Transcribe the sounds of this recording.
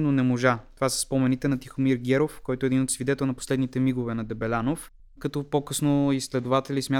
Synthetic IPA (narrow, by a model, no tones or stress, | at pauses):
nonɛmoʒatovasɛ̥spomɛnit̪ɛnɐt̪ixomiɾɡʲɛɾofkɔjt̪oɛd̪inot̪svid̪ɛt̪ɛlˠnɐposlɛd̪nit̪ɛmiɡovɛnɐd̪ɛbɛlʲanof | kɐt̪ɔpokɤsnoislɛd̪ʊvat̪ɛlismʲja